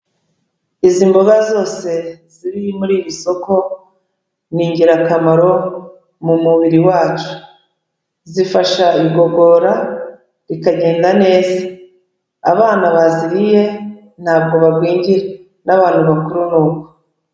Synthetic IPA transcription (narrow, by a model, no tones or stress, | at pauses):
izimboɡazo̞ːse̞ziɾiimuɾiːβiso̞ko̞ | n̥iːɲɟiɾakamaɾo̞ | mumuβiɾiwaːt͡ʃu̥ | zifaʃaiɡo̞ɡo̞ːɾa | ɾikaɟe̞ːndane̞ːza | a̰βaːnaβaziɾije̞ | n̥haːb̚ɡo̞βabɡwiːɲɟiɾe | naβaːn̥huβakuɾunuːko